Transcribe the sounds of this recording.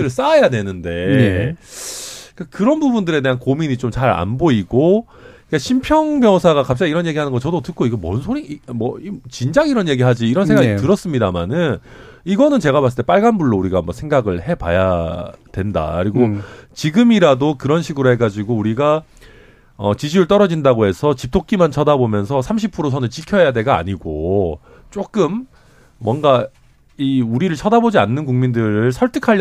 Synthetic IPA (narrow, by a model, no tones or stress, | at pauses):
ɯɾɯɭs͈ajadwe̞nɯnde̞ | k͈akɯɾʌnbubundɯɾe̞de̞ɦankomiɲit͡ɕomt͡ɕaɾa̰nboiɡo | ik͈aɕʰimpʰjʌŋbjʌŋsʰaɡakap̚t͡ɕ͈aɡiɾʌnje̞ɡiɦanɯnɡʌt͡ɕʌdotɯk͈̚oiɡʌmʌnsʰoɾimʌit͡ɕind͡ʑaɡiɾʌnje̞ɡiɦad͡ʑiːɾʌns̬ʰeŋɡaɡitɯɾʌs͈ɯmɲidamanɯn | iɡʌnɯnt͡ɕe̞ɡamas͈ɯɭtep͈aɭɡanbuɭːouɾiɡaːmbʌsʰe̞ŋɡaɡɯɭhe̞pajatwe̞nda̰kɯɾiɡot͡ɕiɡɯmiɾadokɯɾʌnɕʰiɡɯɾoɦe̞ɡad͡ʑiɡouɾiɡa | ʌt͡ɕid͡ʑiɾɯɭt͈ʌɾʌd͡ʑindaɡoɦe̞sʰʌt͡ɕip̚tʰok͈̚imant͡ɕʰʌdabomjʌnsʰʌsʰamɕʰipʰɯɾosʰʌnɯt͡ɕikʰjʌjadwe̞ɡa̰ːɲiɡo | t͡ɕ͈ok͈ɯmː | wʌnɡa | iuɾiɾɯɭt͡ɕʰʌdabod͡ʑianːɯnkuŋmindɯɾɯɭsʰʌɭtʰɯkʰa